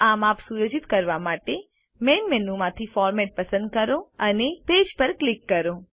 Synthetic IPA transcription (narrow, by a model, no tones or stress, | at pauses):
amapsujod͡ʒit̪kəɾʋamaʈe | menmenũmãt̪ʰifɔɾmɛʈ̚pəsə̃nd̪̚kəɾõəneped͡ʒpəɾklikːəɾõ